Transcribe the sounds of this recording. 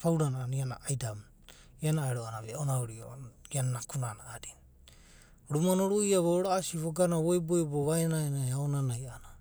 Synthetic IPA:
pawɾanaːniana̰ajdam | ianaeɾoanaβeonaoɾio̰iananakunanaadin | ɾumanoɾuiaβooɾaːsiβoɡanaβojbojboβaenaenaaonanajana

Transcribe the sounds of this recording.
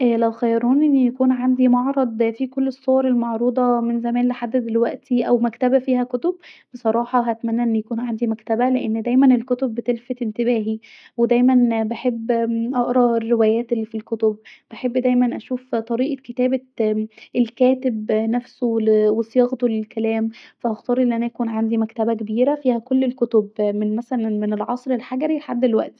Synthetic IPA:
ʔæːlæwxæjɑɾuːnʔenːjækuːnʕand̪imɑʕɾˤɑd̪ˤfikolːesˤːowɑɾˤelmɑʕɾuːd̪ˤɑmenzæmæːnleħad̪ːæd̪elwæʔt̪iʔæwmækt̪æbæfiːhækot̪obbesˤɑɾˤɑːħɑɦæt̪mænːæʔenːjækuːnʕand̪imækt̪æbæleʔenːd̪æjmænelkot̪obːet̪elfet̪ent̪ebæːɦi | wed̪æjmænbeħebːʔɑʔɾˤɑerːewæːjæːt̪elːifilkot̪obb̥eħebːd̪æjmænʔæʃuːft̪ˤɑɾiːʔɑket̪æːbæʔelkæːt̪ebnæfsowesjɑɣt̪olelkælæːmfæʔɑxt̪ɑːɾˤʔelːʔænæʔækuːnʕand̪imækt̪æbæk̬ebiːɾæfiːhækolːelkot̪obmenmæsælænmenelʕɑsˤɾelħaɡæɾilħad̪ːelwæ̰ʔt̪i̥

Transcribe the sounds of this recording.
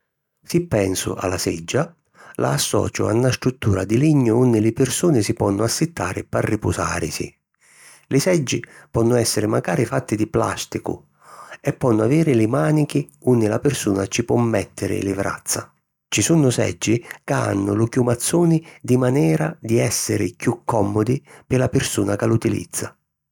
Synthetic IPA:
sipːɛnsʊ̰ʔa̰lːasɛd͡ʒːa | lʔa̰ːsːɔ̰ːt͡ʃʊ̰a̰nːast̪ɾut̪ːuːɾad̪iliɲːʊunːɪlɪpɪrsuːnɪsipɔnːʊasːɪt̪ːaːɾɪparːipʊsa̰ːɾɪsḭ | lɪsɛd͡ʒːipɔnːʊɛsːɪɾɪmaɡaːɾifat̪ːɪd̪ipla̰st̪ikʊ̰ | ɛpːɔnːʊaviːɾɪlɪmaːnikiunːɪlapɪrsuːnat͡ʃipwɔmːɛt̪ːɪɾɪ̰lɪvɾa̰t̪sːa̰ | t͡ʃisunːʊsɛ̰d͡ʒːikaa̰nːʊlʊkjumat̪sːuːnɪd̪imanɛːɾad̪iɛsːɪɾɪkjukːɔmːɔd̪ipɪlapɪrsuːnakalut̪ilḭd̪zːa

